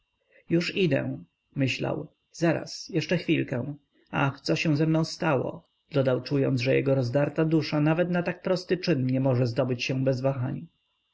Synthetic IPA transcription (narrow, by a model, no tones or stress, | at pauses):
juʂid̪ɛ̰ | mɘɕla̰w | zaɾa̰sjɛʂt͡ʂɛxfʲilkɛ̃ | a̰xt̪sɔɕɛ̃zɛmnɔ̃w̃st̪awɔ̰ | d̪̥ɔd̪awt͡ʂujɔnʐɛjɛ̰ɡɔɾɔzd̪aɾt̪ad̪uʂanavɛt̪nat̪ak̚pɾɔst̪ɘt͡ʂɘnɲɛmɔʐɛzd̪ɔbɘt͡ɕɕɛbɛzvaxaɲ